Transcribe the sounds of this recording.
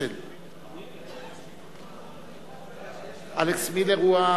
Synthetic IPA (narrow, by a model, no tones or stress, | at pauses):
el | aleksmileɣua